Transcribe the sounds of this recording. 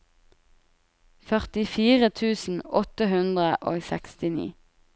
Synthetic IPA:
fœʁt̪ɪfiːʁət̪ʰʉːsn̩ɔt̪əhʉnd̪ʁəʔo̰ːɡsɛkst̪ɪnḭː

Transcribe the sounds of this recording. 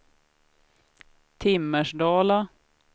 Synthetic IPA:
t̪ʰɪmːəʂɖɑːla

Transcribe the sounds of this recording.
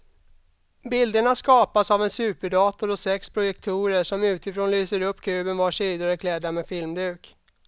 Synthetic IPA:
bɪld̪əɳaskɑːpasavɛnsʉ̟ːpəɖɑːt̪ʊɾɔsɛkspʰɾʊjɛk̚t̪ʰuːɾəʂɔmʉ̟ːt̪ɪfɾoːnlyːsəɾɵpːkʰʉ̟ːbənvaʂiːd̪aɾəkʰlɛd̪ːamefɪlmd̪ʉ̟ːk

